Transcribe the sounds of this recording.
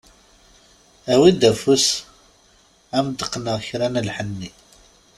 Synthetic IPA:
æwid̪æfus | æmd̪əqːnəʁçɾænəlħənːi

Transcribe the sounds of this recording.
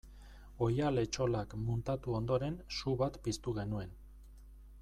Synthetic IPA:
o̞jale̞t͡ʃo̞lakmunt̪at̪uo̞nd̪o̞ɾe̞nsuβat̪pist̪uɣ̞e̞nue̞n

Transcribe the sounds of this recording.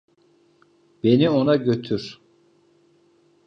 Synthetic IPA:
b̥e̞nio̞naɟø̞t̪ʰyɾ̥

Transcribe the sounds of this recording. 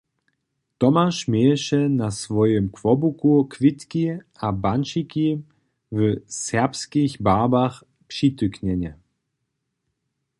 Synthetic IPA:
t̪ɔmaʃmɛːʃɛnasvɔjəmkv̥ɔbukukʰv̥ɪt̪kiʔabanʃiki | vəsɛɐpskiçbaːbaχ | pʃitʏknɛnɛ

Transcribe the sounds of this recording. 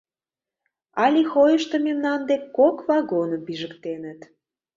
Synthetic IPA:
ɑlʲixojəʃt̪ə̆memnɑnd̪ekkːokvɑɣonə̆mpiʒəkt̪enə̆t̪

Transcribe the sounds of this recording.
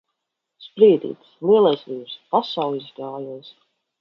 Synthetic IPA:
spɾiːd̪ḭːt̪slˠiɛlˠasliːbspasawˠizɡaːjuɔs

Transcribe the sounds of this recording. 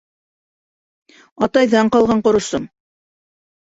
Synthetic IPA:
ɑt̪ɑjðɑɴqɑlˠʁɑɴqŏɾŏsɤm

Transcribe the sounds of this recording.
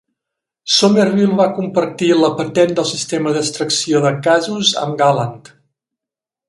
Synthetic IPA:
somervilˠβakumpərt̪iləpət̪ɛnd̪əlˠsist̪eməðəst̪ɾəksioðəkazuzə̰mɡaləŋt̪

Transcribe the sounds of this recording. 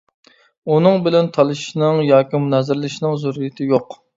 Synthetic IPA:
unɨŋbɪlɛnt̪ʰɑlˠɨʃnɨŋjɑːkʲimunɛzɪɾlɪʃnɨŋzuɾijɪt̪ʰɪjoq

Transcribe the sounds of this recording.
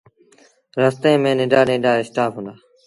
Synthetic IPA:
ɾəːst̪ẽːmẽːnɪ̃ːɖaːnɪ̃ːɖaːɪsʈaːpʰɦũːnd̪aː

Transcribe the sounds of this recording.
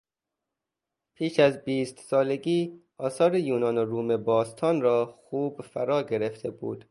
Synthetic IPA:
pʰiːʃæzbiːst̪sɒːleɡiː | ɒːsɒːɾejuːnɒːnoɾuːmebɒːst̪ʰɒːnɾɒːxuːbfæɾɒːɡeɾeft̪ʰebṵːd̪̥

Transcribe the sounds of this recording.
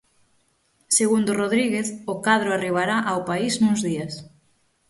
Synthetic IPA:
seɣund̪oroð̞ɾiɣeθʊkað̞ɾoariβ̞aɾaʔawpaisnũŋzðias

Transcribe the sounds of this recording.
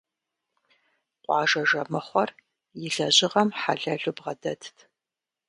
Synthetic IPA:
qʷʼɑːʒɐʒɐmɨχʷɔr | jɪɮɐʑɪʁɐmħa̰ɮɐɮubʁɐdɐtʰtʰ

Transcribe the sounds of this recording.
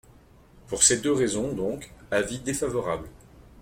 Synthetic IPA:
puʁsed̪øʁezɔ̃d̪ɔ̃kavid̪efavɔʁabl

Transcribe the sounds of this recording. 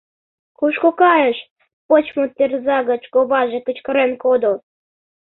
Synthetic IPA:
kuʃkokɑjə̆ʃ | pot͡ɕmot̪erzɑɣɤ̆t͡ɕkoβɑʒekə̆t͡ɕkɤ̆ɾenkod̪olˠ

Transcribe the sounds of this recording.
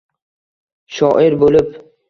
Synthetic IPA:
ʃɒʔɪɾbolɪp

